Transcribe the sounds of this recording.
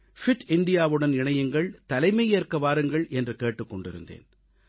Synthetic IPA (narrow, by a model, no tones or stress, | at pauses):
fɪʈɪɳɖɪjaːʋɯɽɐnɪɳɐjɯŋɡɐɭt̪ɐlɐɪmɐɪeːrkɐʋaːɾɯŋɡɐɭɛndrɯkeːʈːɯkːɔɳɖɪɾɯ̰nd̪ḛːn